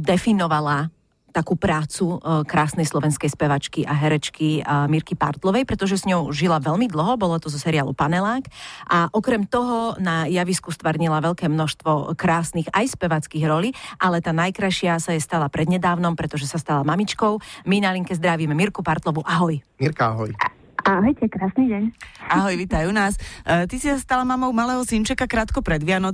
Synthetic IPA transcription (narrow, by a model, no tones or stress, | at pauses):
d̪ɛfinɔʋala | t̪akupɾaːt͡sukɾaːsnɛjslɔʋɛnskɛjspɛʋat͡ʃkiʔaɦɛɾɛt͡ʃkimiɾkipa̰ɾt̪lɔʋɛjpɾɛt̪ɔʒɛzɲɔʊʒilaʋɛlmid̪l̩ˠɦɔbɔlɔt̪ɔzɔsɛɾiaːlṵpanɛlaːkʔaʔɔkɾɛmt̪ɔɦɔnajaʋiskust̪ʋaɾɲilaʋɛʎkɛːmnɔʃst̪ʋɔkɾaːsniɣajspɛʋat͡skiːɣɾɔliːʔalɛt̪aːnajkɾaʃɪasajɛst̪alapɾɛd̪ɲɛd̪aːʊnɔmpɾɛt̪ɔʒɛsast̪alamamit͡ʃkɔʊminaliŋkɛzd̪ɾaʋimɛmiɾkupaɾt̪lɔʋuʔaɦɔjmiɾkaaɦɔj | aɦɔjcɛkɾaːsniɟɛɲaɦɔjʋit̪ajunaːst̪isisast̪alamamɔʊmalɛːɦɔsint͡ʃɛkakɾaːt̪kɔpɾɛd̪ʋɪanɔ